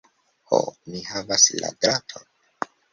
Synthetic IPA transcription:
ho̰mihavasla̰dɾatʰon

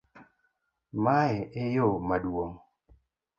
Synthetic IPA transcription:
maɛʔejomadwoŋ

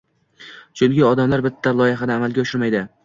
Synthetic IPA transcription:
t͡ʃʰʊnɡʲɪɒd̪amlaɾbɪt̪ʰːalˠɒjɪɦad̪aːmalˠɡʲaʊʃɪɾmajd̪ɪ

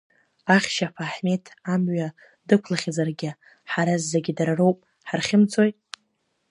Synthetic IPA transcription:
aχʲʃapʰaħme̞tʰamɥa | dɨkʷʰlaχʲazarɡʲɪ | ħaɾazːeɡʲɪdaɾarowpʼ | ħarχʲɪmt͡sʰʼojtʼ

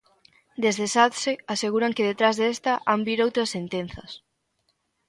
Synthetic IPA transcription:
d̪ezðesat̪seaseɣuɾaŋkeðet̪ɾazðest̪ɐʔambiɾowt̪ɾɐsent̪en̟θɐs

